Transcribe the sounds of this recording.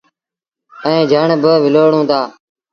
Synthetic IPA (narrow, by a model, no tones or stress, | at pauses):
əẽːd͡ʒʱəɳbəʋɪloːɳõːt̪ʰaː